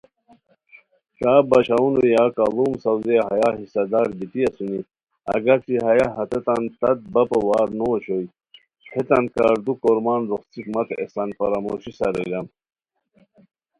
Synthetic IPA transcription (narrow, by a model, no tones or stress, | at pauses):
k̪aːbɐɕaunujaːkaluːmsɐwzeɦɐjaːɦisɐd̪aːɾbitiɐsuni | ɐ̰ɡɐɾt͡siɦɐjaɦɐt̪et̪ant̪ɐt̪̚bɐpɐwaːɾnoɕoj | het̪ɐnkaːɾd̪ukoɾmaːnɾoχt͡sikmɐt̪ḛsɐnfɐɾaːmo̰ːɕisɐɾḛlɐm